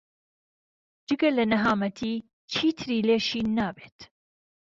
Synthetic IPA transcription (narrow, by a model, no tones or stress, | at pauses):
d͡ʒɨɡɐlɐnɐɦaːmɐt̪ʰiː | t͡ʃʰiːt̪ʰɨɾiːleːʃiːnaːbeːt̪